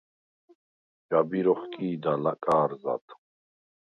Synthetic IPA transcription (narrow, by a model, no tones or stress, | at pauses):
d͡ʒabiɾɔχkʼiːd̪alakʼaːɾza̰t̪